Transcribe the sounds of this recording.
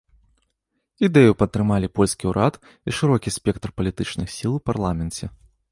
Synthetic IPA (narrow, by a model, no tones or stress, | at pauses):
id̪ɛjupɐt̪ːɾɨmalʲipɔlʲskʲiuɾʔat̪ | iʂɨɾɔkʲisʲpʲɛk̚t̪rpɐlʲit̪ɨt͡ʂnɨxsʲilˠwparlˠamʲɛnt͡sʲɛ